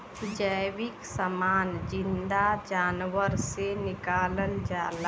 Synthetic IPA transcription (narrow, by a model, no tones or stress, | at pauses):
d͡ʒəʋɪksəmaːnd͡ʒɪ̃nd̪ad͡ʒaːnwəɾsenɪkaːlənd͡ʒaːla